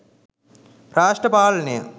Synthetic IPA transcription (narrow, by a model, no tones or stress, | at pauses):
ɾaːʂʈɐpaːlɐnijɐ̰